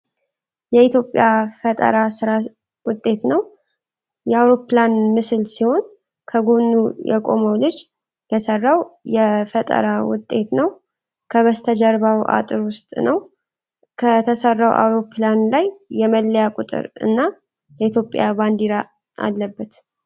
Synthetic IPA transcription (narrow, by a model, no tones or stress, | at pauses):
jɛit̪ʰjo̞pʼjafət̪ʼə̰ɾasɨɾa | wʊt̪ʼːe̞t̪nəw | jɛawɾo̞planmɨsɨlsiho̞n | kʰəɡoβnːujɛ̰kʼo̞̰məwlɨd͡ʒ | jɛsərːawjɛfət̪ʼə̰ɾawʊ̰t̪ʼːe̞t̪nəw | kʰəβəst̪ʰəd͡ʒəɾβawʔa̰t̪ʼɨɾwʊst̪ʼnəw | kʰət̪ʰəsərːawʔa̰wɾo̞pʰlanlajːɛməlːəjakʼʊt̪ʼɨ̰ɾɨ̰nːa | jɛit̪ʰjo̞pʼjaband̪iɾa | ʔa̰lːəbːət̪